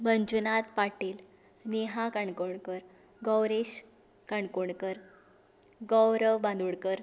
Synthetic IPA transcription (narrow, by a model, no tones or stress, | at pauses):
məɲd͡ʑunat̪paʈiːl | neɦakəɳkoɳkəɾ | ɡɔwɾeɕ | kəɳkoɳkəɾ | ɡɔwɾəʋbãnd̪uɽkəɾ